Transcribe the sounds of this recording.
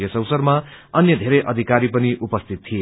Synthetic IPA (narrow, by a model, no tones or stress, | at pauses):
jʌsʌwsʌrmaʌnjʌd̪ʱeɾʌjʔʌd̪ʱikaɾipʌniʔupʌst̪ʰit̪̚tʰːie